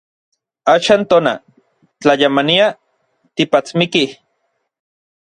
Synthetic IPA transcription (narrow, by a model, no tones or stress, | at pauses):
aːʃaːnt̪oːna̰ | t͡ɬajamania | t̪ipat͡smikih